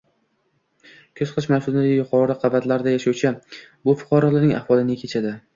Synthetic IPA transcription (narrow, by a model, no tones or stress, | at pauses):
kʲʰɵz̥qʰɪʃmawsʊlɪd̪ajʊqʰɒɾɪqʰɑvat̪laɾd̪ajaʃawt͡ʃʰabʊfʊ̥qʰɑɾɒlˠanɪŋʔa̰hvɒlˠɪnɪkʲʰe̞t͡ʃʰad̪ɪ